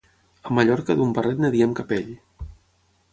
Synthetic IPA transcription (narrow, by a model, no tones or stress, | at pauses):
əmaʎɔɾkəðumbərɛt̪nəðiemkapeʎ